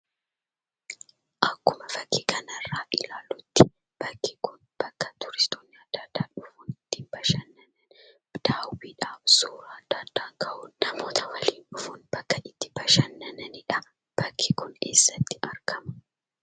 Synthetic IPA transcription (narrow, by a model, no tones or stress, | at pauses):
ʔɐkːʊmɐfɐkʰːiːkʰɐnɐrːaːʔɪlaːlʊt̪ːɪ | b̥ɐkːɪkʊn | b̥ɐkːɐt̪ʊɾɪst̪oːnːɪɐd̪̥ːaːd̪̥ːaːᶑʊfuːnɪt̪ːiːnbɐʃɐnːɐnɐn | d̪̥aːwiːᶑaːfsuːɾaɐd̪̥ːaːd̪̥ːaːŋkɐʔuːnnɐmo̞ːt̪ʰɐwɐliːnᶑʊfuːnb̥ɐkːɐʔɪt̪ːɪbɐʃɐnːɐnɐnɪᶑɐ | b̥ɐkʰːikʊneːsːɐt̪ːɪ̥ʔɐɾkɐmɐ̥